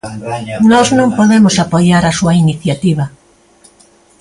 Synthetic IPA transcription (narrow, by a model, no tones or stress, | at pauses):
nɔznõmpoðemosapojaɾasuainiθjat̪iβ̞ɐ